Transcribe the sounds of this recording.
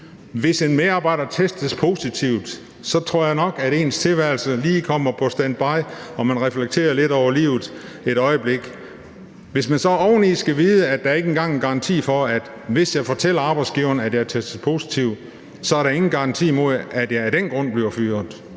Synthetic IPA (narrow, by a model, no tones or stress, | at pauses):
ʋe̝se̝nmeɑ̈ːbɑ̈ɪ̰d̥ɐt͡sʰesd̥əspʰo̝sit͡sʰiʊ̰d̥ | sɒ̽t͡sʰʁo̝ɐ̰jɑ̈ɪnɒ̽ɡ̥æɾe̝ːnst͡sʰe̝lʋæɪlsəliːkʰɒm̰ɐpʰɒ̽sd̥ænd̥̚b̥ɑ̈ɪɒ̽mænʁɛfleɡ̥̚t͡sʰe̝̰ːɐle̝ɾ̥ɒʊ̰ɐlḭːʊð̩ˠ | e̝ɾ̥ɒ̽ɪəb̥le̝ɡ̥ | ʋe̝smænsɒ̽ɒʊ̰n̩isɡ̥æʋiːðˠəæd̥ææɐe̝ɡ̥enɡ̥ɑ̈ŋenɡ̥ɑ̈ɑ̈nt͡sʰḭːfɒ̽æd̥ | ʋe̝sjɑ̈ɪfɒ̽t͡sʰel̰ɐɑ̈ːb̥ɑ̈ɪ̥sɡ̥iːʊɐnæd̥jɑɪt͡sʰesd̥əspʰo̝ːsi̥t͡sʰiʊ | sɒ̽æɐɾɑ̈e̝ŋn̩ɡ̥ɑ̈ɑ̈nt͡sʰḭːmo̝ðˠæd̥jɑ̈ɪɐd̥enɡ̥ʁɔ̽n̰b̥liɐfyːɐðˠ